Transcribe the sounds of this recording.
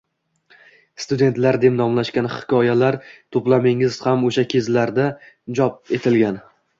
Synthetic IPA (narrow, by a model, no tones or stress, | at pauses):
st̪ʊd̪e̞nt̪laɾd̪e̞mnɒmlaʃkʲanhɪ̥kʲʰɒjalaɾt̪ʰoplamɪŋɪz̥hamoʃakʲʰe̞zlaɾd̪a | d͡ʒɒp̚e̞t̪ʰɪlɡʲan